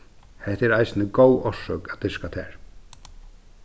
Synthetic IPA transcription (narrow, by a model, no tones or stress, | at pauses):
hɛht̪ɛɾajsnɪkoːwɔsːœkat̪ɪskat̪ʰɛ̰ːɹ